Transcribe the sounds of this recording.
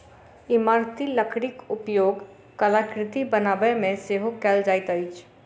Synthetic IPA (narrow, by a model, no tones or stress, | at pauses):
ɪmaːɾt̪iləkʰɽɪkʊpjoːɡ | kəlakɾɪt̪ibənaːbəmẽseɦokɛːld͡ʒaːɪt̪əit͡ʃʰ